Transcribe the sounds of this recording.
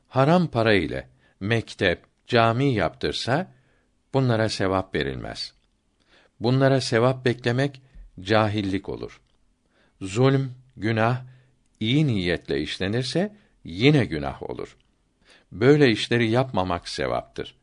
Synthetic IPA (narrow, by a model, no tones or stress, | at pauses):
haɾampʰaɾaḭlʲɛ̰ | mɛct̪ʰɛp̚ | d͡ʒaːmiːja̰pt̪ʰɯɾsa | b̥unlˠaɾase̞vapve̞̰ɾḭlʲmʔɛ̰z̥ | bunlˠaɾase̞vap̚bɛclʲe̞mɛcd͡ʒaːɦilʲːicʰo̞̰lˠṵɾ̥ | zulʲm | ɟynah | ijinijːɛt̪lʲɛ̰iʃlʲe̞niɾsɛ | jinɛɟyna̰ho̞̰lˠṵɾ̥ | bø̞jlʲɛiʃlʲe̞ɾijapmamaksḛva̰p̚t̪ʰɯ̰ɾ̥